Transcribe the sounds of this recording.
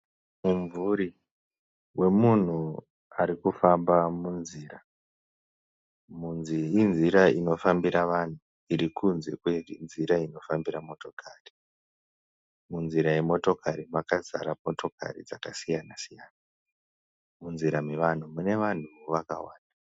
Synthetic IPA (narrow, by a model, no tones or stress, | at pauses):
muɱvuɾi | we̞mun̤u | aɾikufambamunziːra | munziinziɾaino̞fambiɾaʋan̤u | iɾikʰunze̞kwenziɾaino̞fambiɾamo̞to̞kʰaːri | munziɾaje̞mo̞to̞kʰaɾimakaza̰ɾamoto̞ka̰rḭd͡zakasijanasijaːna | munziɾameʋan̤umune̞ʋan̤uʋaka̰wa̰ːnda